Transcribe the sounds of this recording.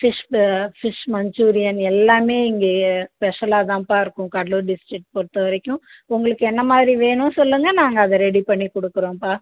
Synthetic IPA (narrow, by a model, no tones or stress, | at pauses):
fɪʂfɪʂmɐɲd͡ʒuːɾɪjɐnɛlːaːmeːɪŋɡeːspɛʂɐlaːt̪ãːpaːɪɾɯkːʊ̃kɐɽluːɾɖɪsʈɾɪk̚ʈ̚pɔɽɯt̪ːɐʋɐɾɐkʲːʊ̃ | ʊŋɡɐɭɯkːɯɛnːɐmaːðɪɾiʋeːɳʊ̃sɔlːɯŋɡɐnaːŋɡɐːðɐɾɛɽipɐɳːikɔɽɯkːɯɾõːpaː